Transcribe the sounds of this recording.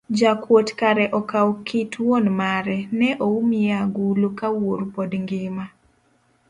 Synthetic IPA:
d͡ʒakwotkaɾɛʔɔkawkitʰwonmaɾɛnɛʔoumɪaɡulokawoɾupodŋɡɪma

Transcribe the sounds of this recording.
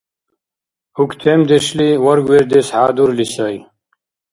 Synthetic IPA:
hukt̪ʰeːmd̪eʂliwɐɾɡweɾd̪eshaːd̪uɾlisɐj

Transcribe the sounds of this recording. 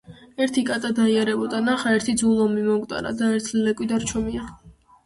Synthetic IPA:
ɛɾt̪ʰikʼat̪ʼad̪aiaɾɛbɔd̪anaχaɛɾt̪ʰid̪zulˠɔmimɔɡʼt̪ʼa̰ɾa̰d̪aɛɾt̪ʰllɛkʼwid̪aɾt͡ʃʰɔmia

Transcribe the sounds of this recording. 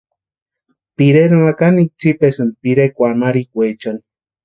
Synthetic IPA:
piɾeɾmakanik̚t͡sipesɨnpiɾekʷamaɾikʷet͡ʃoni̥

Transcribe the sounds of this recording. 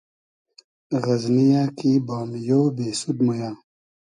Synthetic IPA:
ɣɐznijakibaːmjoːbeːsud̪mojaː

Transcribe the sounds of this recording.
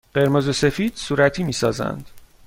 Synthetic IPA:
ɢe̞ɾmozose̞fiːd̪̥suːɾæt̪ʰiːmiːsɒːzæ̰nd̪̥

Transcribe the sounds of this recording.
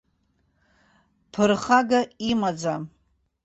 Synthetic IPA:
pʰɨrχaɡaimad͡za

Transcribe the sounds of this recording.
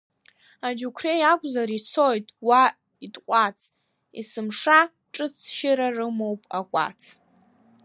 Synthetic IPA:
ad͡ʒukʷʰrejakʷʼzaɾit͡sʰojtʼwa | itʼqʷʼat͡sʰ | ḭsɨmʂa | ʈ͡ʂʼɨt͡sʰʃɪɾarɨmowpʼa̰kʷʼa̰t͡sʰ

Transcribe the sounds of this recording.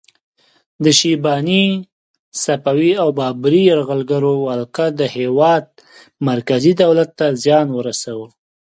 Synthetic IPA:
d̪əʃibɑni | sapawiawbɑbɾijaɾɣəlɡaɾowalqad̪əhewɑd̪̚ | maɾkazid̪awlat̪ːazjɑnwəɾasawə

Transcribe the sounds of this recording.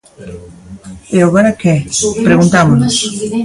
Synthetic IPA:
eoβaɾakepɾeɣunt̪amonos

